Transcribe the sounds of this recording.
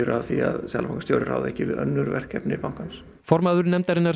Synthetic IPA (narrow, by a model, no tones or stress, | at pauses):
ʏɾavθia̰ðsja̰lapʰaŋkːḁst̪jo̰ːwɾɪɾa̰ːwðɛhcːɪvɪðœ̰nːʏɾvɛr̥kɛpnɪpawŋkans | fɔɾmaːðʏɾnɛmt̪aɾɪnːaɾ